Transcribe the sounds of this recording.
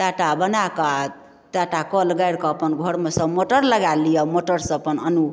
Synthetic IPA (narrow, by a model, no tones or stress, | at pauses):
t̪aʈabʌnaka | t̪aʈakʌlɡajɾkʌpʌnɡʱoɽmʌsʌ̃moʈʌɾlʌɡalijʌmoʈʌɾsʌ̃pʌnʌnu